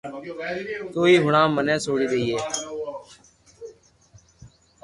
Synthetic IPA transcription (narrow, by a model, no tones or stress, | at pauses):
t̪oːiːɦʊɳãːmənẽːsoːɽiːd̪eiːeː